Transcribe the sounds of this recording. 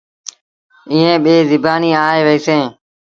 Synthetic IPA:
ɪɦẽːɓeːzɪbʱaːniːaːɦeːʋəiːsẽː

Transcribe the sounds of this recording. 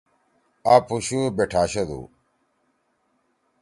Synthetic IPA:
apuɕubeʈʰaːɕɐd̪ṵ

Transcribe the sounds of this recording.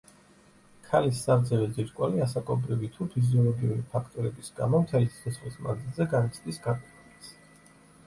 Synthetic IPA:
kʰalisːaɾd̪zɛvɛziɾʼkʼwaliasakʼɔbɾivit̪ʰupʰiziɔlˠɔɡiuɾipʰakʰt̪ʼɔɾɛbisɡa̰mɔmt̪ʰɛlissʰɛsχlismaɡzilˠzɛɡanit̪sʰʼd̪isɡapʼɛt̪lit̪s

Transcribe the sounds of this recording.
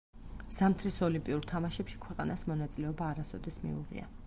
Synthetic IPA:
z̥amt̪ʰɾisɔlimpʼiuɾt̪ʰamaʃɛpʃi̥kʰwɛqʼanasmɔnat̪sʼilɛɔbaːɾasɔ̰d̪ɛsmḭṵʁḭa̰

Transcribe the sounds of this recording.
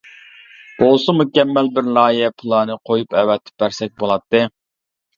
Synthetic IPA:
b̥olˠsumukʲɛmːælbɪɾlɑːjɛpʰulˠɑːnɨqʰojupɛwɛt̪ʰːɪ̥p̚bæɾsɛk̚ʲbolˠɑt̪ːɨ

